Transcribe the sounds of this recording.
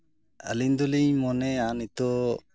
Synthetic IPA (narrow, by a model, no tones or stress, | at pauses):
ə̰lind̪ɔliɲmɔnɛanit̪ɔ